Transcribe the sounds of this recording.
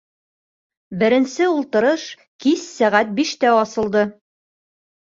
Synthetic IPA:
bɘ̆ɾɘ̆nsɘulˠt̪ɤ̆ɾɤʃ | kisːæʁæt̪̚biʃt̪æɒsɤ̆lˠd̪ɤ

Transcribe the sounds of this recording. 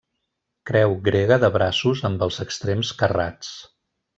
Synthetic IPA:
kɾɛwɡɾeɣəðəβɾasuzəmbəlˠzəkst̪ɾemskəra̰t͡s

